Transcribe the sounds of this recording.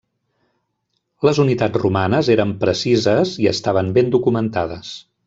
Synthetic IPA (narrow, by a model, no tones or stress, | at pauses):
ləzunit̪ad͡zrumanəzeɾəmpɾəsizəziə̰st̪aβəmbend̪ukumənt̪aðəs